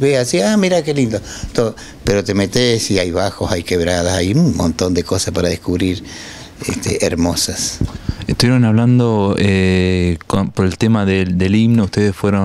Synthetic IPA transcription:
βeasiamiɾakelind̪ot̪oo | peɾo̞t̪emet̪esiajβaxo̞sajkeβɾaðasajuŋmõ̰nt̪o̞nd̪e̞ko̞saspaɾaðehkuβɾiɾ | ḛst̪ʰeʔeɾmo̞sasest̪uβjeɾonaβland̪oekopoɾelt̪emaðed̪eliβnouht̪eðesfweɾo

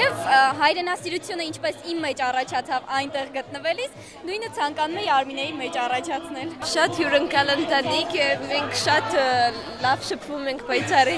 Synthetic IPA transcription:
jɛvɦɑjɾɛnɑsiɾut͡sʰjunəint͡ʃʰpɛsimːɛt͡ʃɑrɑt͡ʃʰɑt͡sʰɑvɑjnt̪ɛʁɡət̪̚nəvɛlis | nujnət͡sʰɑŋkɑnumɛjiɑɾminɛjimɛt͡ʃɑrɑt͡ʃʰɑt͡sʰnɛlʃɑt̪hjuɾəŋkɑlənt̪ɑnikjɛvmɛŋkʰʃɑt̪ | lɑvʃəpʰvumɛŋkʰbɑjt͡sʰɑɾi

